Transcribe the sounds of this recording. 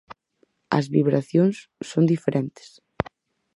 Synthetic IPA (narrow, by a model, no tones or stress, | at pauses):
ɐ̰zβiβɾaθjoŋsːond̪ifeɾʔent̪ɪ̥s